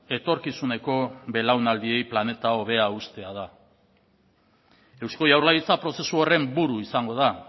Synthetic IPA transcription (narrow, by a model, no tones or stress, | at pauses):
e̞t̪o̞ɾkisune̞ko̞βe̞lawnald̪ie̞jplane̞t̪ao̞βe̞aust̪e̞að̞a | e̞wsko̞jawɾlajit͡sapɾo̞se̞suore̞mbuɾuisaŋɡo̞ð̞a